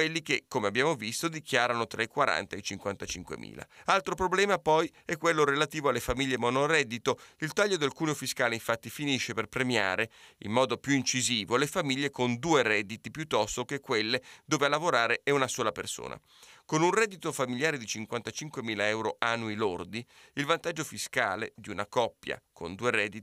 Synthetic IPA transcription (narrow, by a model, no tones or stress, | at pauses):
welːik̟ekːomeabːjaːmovist̪od̪ikjaːɾanot̪ɾaekwaɾa̰nt̪aet͡ʃiŋkwant̪at͡ʃḭŋkwḛmḭːla̰alt̪ɾopɾoblɛːmapɔj | ɛkːwelːoɾelat̪iːvoalːefamiʎːemɔnoɾɛd̪ːit̪oilt̪aʎːod̪elkuːneofiskaːleiɱfat̪ːifiniʃːeperpɾemja̰ːɾeḭmːɔːd̪opjuint͡ʃiziːvolefamiʎːekond̪uːeɾɛːd̪it̪ipjut̪ːɔst̪okekːwelːed̪oːvealːavoɾaːɾeʔɛunasoːlapḛrso̰ːna̰ | konunrɛd̪it̪ofamiljaːɾed̪it͡ʃiŋkwant̪at͡ʃiŋkwemiːlaɛwɾoʔanuilord̪iilvant̪ad͡ʒːofiskaːlḛd̪iunakɔpːja̰kʰo̰nd̪uːeɾɛd̪i